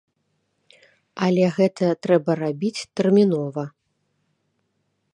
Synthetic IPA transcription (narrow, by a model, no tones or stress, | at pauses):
ɐlʲɛɣɛt̪ɐt̪ɾɛbɐrabʲit͡sʲt̪ɛrmʲinɔvɐ